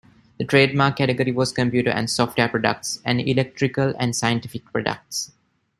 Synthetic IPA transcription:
d̪̥əʈɾeːɖ̚maːkkːæʈeɡəɾiʋɔːskə̃mpjuːʈə̰ɾʔæ̰̃nɖsɔːfʈʋeːpɾɔɖə̰k̚ʈsæ̃ɳɖḭlek̚ʈɾikəlæ̰̃ɳɖsaɪə̃nʈifik̚pɾɔɖə̰k̚ʈs

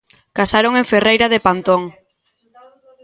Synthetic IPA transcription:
kasaɾoŋẽɱferejɾaðepant̪oŋ

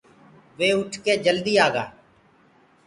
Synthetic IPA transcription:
ʋeːʊʈʰkeːd͡ʒəld̪iːaːɡa̰ː

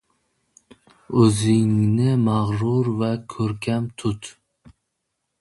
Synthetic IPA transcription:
ɵzɪŋnɪmɑʁɾʊɾvækʲʰɵɾkʲʰæmt̪ʰʊt̪

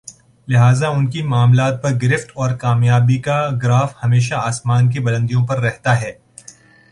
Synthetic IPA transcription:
lɪɦaːzaʊnkimaːmlaːt̪̚pɐɾɡɪɾɪfʈɔːɾkaːmjaːbikaɡɾaːfhɐmeːʃ̬aaːsmaːnk̬ebɐlə̃nd̪ijõpɐɾːɛɦt̪aɦɛː

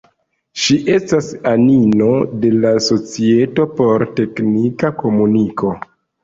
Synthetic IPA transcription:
ʃiʔe̞stasanino̞de̞laso̞t͡sie̞to̞po̞ɾte̞knikako̞muniko̞

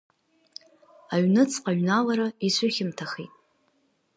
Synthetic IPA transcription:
aɥnɨt͡sʰʼqʼaɥnalaɾaisʷʰʊχʲɪmtʰaχḭtʼ

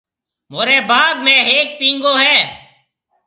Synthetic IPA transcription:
moːɾeːbaːɡ̚mɛ̃ːɦeːk̚pĩːŋɡõːɦɛː

